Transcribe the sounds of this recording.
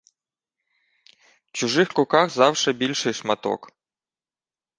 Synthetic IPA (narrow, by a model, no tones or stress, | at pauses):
t͡ʃʊʒɪxkʊkɑɣzɑwʃɛbʲilʲʃɪjʃmɐt̪ɔ̰k